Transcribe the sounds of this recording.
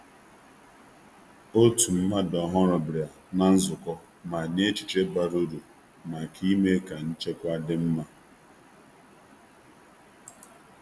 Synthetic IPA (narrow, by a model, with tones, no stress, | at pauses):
o˦tu˨m̩˦ma˦dɔ˨ɦɔ˦ɾɔ˨bɾja˨ | na˨n̩˦zʊ˨kɔ˦ | ma˨ɲe˦t͡ʃɪ̥˨t͡ʃe˦ba˨ɾu˦ɾu˨ | ma˨kʰi˦me˦ka˨n̩˦t͡ʃe˦kʷa˦dɪ˦m̩˦ma˦